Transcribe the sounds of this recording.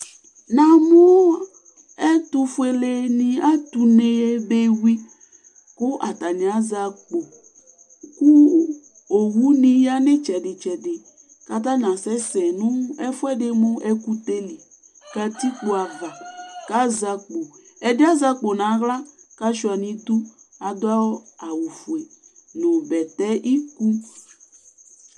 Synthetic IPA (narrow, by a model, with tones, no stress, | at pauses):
nã˨mũ˦ | ɛ˦t̪u˦fu˦e˨le˦nĩ˨a˦t̪u˨ne˨e˦be˦wi˦ | kʊ˦ʔa˨t̪a˨ɲi˨a˨za˨k͡po˨ | ku˦ | o˨wu˦nĩ˦ja˦nɪ̃˦t͡ʃɛ˨dɪ˨t͡ʃɛ˨dɪ˨ | ka˨t̪̬a˦nã˨sɛ˦sɛ˨nũ˦ɛ˦fʊ˦ɛ˦dɪ˦mʊ̃˦ʔɛ˦ku˦t̪e˦li˨ | ka˦t̪i˦k͡po˨a˨va˨ka˦za˨k͡po˨ | ɛ˨dɪ˦a˦za˦k͡po˨nã˨˦ɣla˦ka˦ʃu˨a˨nĩ˨d̪u˦ | a˨d̪ʊ˦a˦wɔ˦a˨wu˨fu˨e˨ | no˨bɛ˨t̪ɛ˦ʔi˦ku˦